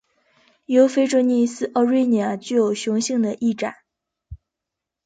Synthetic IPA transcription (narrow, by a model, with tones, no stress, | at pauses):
jo˧˥ʊfe˥ɪʈ͡ʂɔ˧˥ni˥˧sɹ̩˥˩ʔɑ˧ʊɻi˥ni˨˩a˨˩t͡ɕy˥˩jo˨˩ʊɕjʊ˧˥ŋɕi˥˩ŋd̪ə˩ʔi˥˩ʈ͡ʂa̰˨˩˦n